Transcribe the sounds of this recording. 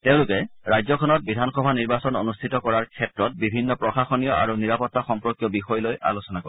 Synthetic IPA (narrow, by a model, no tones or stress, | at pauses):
tẽʊ̃lʊkɛɹajzɔkʰɔnɔt̚bidʱanxɔbʱaniɹbasɔno̰nustʰitɔkɔɹaɹkʰɛtɹɔt̚bibʱinːɔpɹɔxaxɔnijɔʔa̰ɹuniɹapɔtːaxɔmpɹɔkjɔbixɔjlojʔa̰losɔnakɔ̰